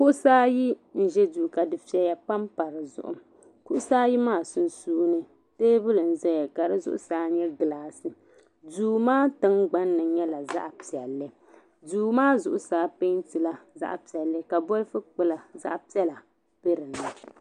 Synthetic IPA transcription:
kʊ˦ʔʊ˦saː˦ji˦ | n̩˨ʒɛ˦duː˨ka˨dɨ˨fi˦ɛ˦ja˨pa˦mpa˨ɾɨ˨zʊ̰˦ʔʊ̰˨˦ | kʊ˦ʔʊ˦saː˦ji˦maː˦˨sʊ˨n˨suː˦nɨ˦ | teː˦bʊ˦lɨ˨n̩˨zɛ˦ja˨ka˨ɾɨ˦zʊ̰˦ʔʊ̰˦˨saː˦ɲɛ˦ɡɨ˨laː˦sɨ˨ | duː˨maː˦tɨ˦ŋɡ͡ba˦nːɨ˨ɲɛ˦la˨za̰˦ʔpi˨ɛ˨lːɨ˦ | duː˨maː˦zʊ˨ʔʊ˨saː˦pe˦ntɨ˨la˦za̰˦ʔpi˨ɛ˨lːɨ˦ka˨bɔ˦lfɨ˦k͡pɨ˦la˨za̰˦ʔpi˦ɛ˦la˨ | pe˦ɾɨ˨na˨

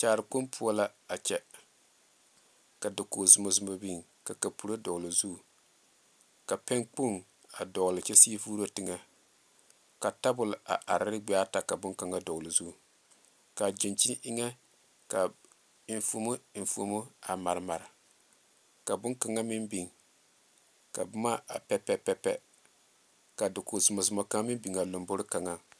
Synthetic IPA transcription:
t͡ʃaː˨ɾɨ˨ko˦mpʰu˦a˦la˦a˨t͡ʃɛ˨ | ka˨dʊ˨ko˨zu˨mo˨zʊ˦mo˦bi˦˨ŋ | ka˨ka˨pu˨ɾo˦dɔ˨ɣli˨zu˦˨ | ka˨pɛ˦ŋk͡po˦˨ŋ | a˨dɔ˨ɣlɪ˨t͡ʃɛ˦si˦fuː˦ɾo˦tɪ˨ŋa˦ | ka˨ta˦bʊ˨la̰˨ʔa˨ɾɪ˦ɾɪ˦ɡ͡be˦a˦ta˨ka˨bʊ˦ŋka˨ŋa˦dɔ˨ɣlɪ˨zu˦˨ | ka˨d͡ʒi˨nt͡ʃi˦n˦ʔɪ˦ŋɛ˦ | ka˨ | n˨fu˨˦mu˦˨fṵ˨mu˦a˨ma˨ɾɨ˨ma˨ɾɪ˨ | ka˨bʊ˦ŋka˨ŋa˦mɪ˦mbi˨ŋ | ka̰˨bʊ˦ma˦a̰˨pɛ˦pɛ˦pɛ˦pɛ̰˦ | ka˨dʊ˨kʊ˨zʊ˨mɔ˨zʊ˨mɔ˨ka˦ŋa˦mɪ˦mbi˨ŋa˨lo˨mbo˦ɾɪ˦ka˨ŋa˦

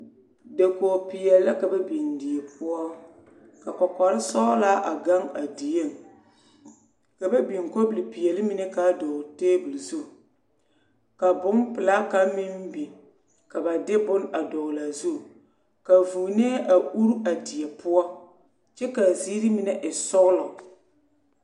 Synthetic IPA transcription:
de˨ko˨pi˨jɛ˨lːa˦ka˨ba˦bi˨ndi˨jɛ˨pʰʊ˦ɔ˦ | ka˨kɔ˨ka˨ɾɪ˦sɔ˦laː˦ʔa˨ɡa˦ŋa˨di˨je˦˨ŋ˨ | ka˨ba˦bi˨ŋ˨ko˦bɨ˨li˨pi˨jɛ˨lɪ˦mi˦nɛ˦ka˨dɔ˨teː˦bɨ˨lzu˦˨ | ka˨bʊ˦ŋpɨ˨la˦ka˦mi˦m˦bi˨ | ka˨ba˨dɪ˦bʊ˦na˨dɔ˨laː˨zu˦˨ | ka˨vu˨nɛ˦ʔa˨u˦ɾu˦a˨dɪ˨jɛ˨pʊ˦ɔ˦ | t͡ʃɛ˦ka˨ziː˦ɾi˦mi˨nɛ˦ʔɪ˨sɔ˦ɣʊ˦lɔ˨

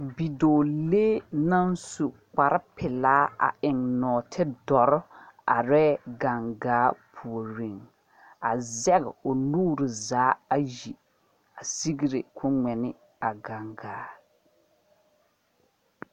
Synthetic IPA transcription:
bi˨doː˨leː˦na˦nsu˨k͡pa˨ɾɪ˦pʰɪ˨laː˦a̰˨ʔɪ˨ŋnɔː˨tʰɪ˦dɔ˨ɾɔ˦a̰˨ɾɛː˦ɡa˨ŋɡaː˨˦pʰu˨o˨ɾe˨ŋ | a˨zɛ˦ɣɪ̰˨o˨nuː˦ɾɪ˨zaː˨˦a˦ji˨ | a˨si˦ɡi˦ɾe˨kʰʊ˦ŋ͡mɛ˨nɪ˦ | a˨ɡa˨ŋɡaː˨˦

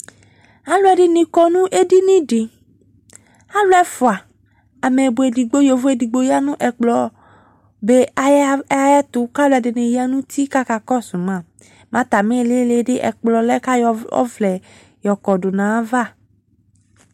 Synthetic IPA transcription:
a˦lwɛ˨ɖɪ˦nĩ˨kɔ˦nũ˦ʔe˦di˦nĩ˦ɖɪ˨ | a˦lwɛ˦fʊ˨a˨ | a˨me˨bo˨e˨di˨ɡ͡bo˦jo˨vo˦e˨di˨ɡ͡bo˦ja˦nũ˦ʔɛ˨k͡plɔ˨˦ | be˦a˨˦a˨jɛ˦t̪ʊ˨ka˦lo˦ɛ˨dɪ˨nẽ˨ja˦nũ˦t̪i˦ka˦ka˨kɔ˦su˨mã˦˨ | mã˦t̪a˨mẽ˦˨le˦le˦ɖɪ˦ʔɛ̰˨k͡plɔ˨lɛ˦ka˦jɔ˨ɔ̰˦vlɛ˨ | jɔ˨kɔ˨dʊ˨nã˨˦va˦˨

